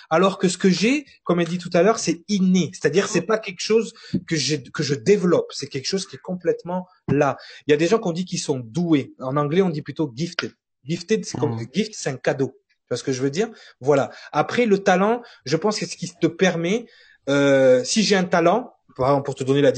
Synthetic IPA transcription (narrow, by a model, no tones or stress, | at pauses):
alɔʁkəsə̥kəʒe | kɔmed̪it̪̬ut̪alœʁsɛinese̥t̪ad̪iʁsɛpakʲɛlkʃozkəʒekəʒəd̪evəlɔpsɛkʲɛlkə̥ʃoz̥kʲiɛkɔ̃plɛt̪mɑ̃ | lailjad̪eʒɑ̃kɔ̃d̪ikʲisɔ̃d̪ueɑ̃nɑ̃ɡlɛɔ̃d̪iplyt̪oɡʲift̪e | ɡʲift̪ed̪sɛ̥kɔmɡʲift̪sɛt̪ɛ̃kad̪o | t̪yasə̥kəʒəvød̪iːʁ | vwalaapχɛlət̪alɑ̃ʒəpɑ̃skəsə̥kʲit̪əpɛʁmɛ | øsiʒeɛ̃t̪alɑ̃ | paʁɛɡzɑ̃ppuʁt̪əd̪ɔnelad̪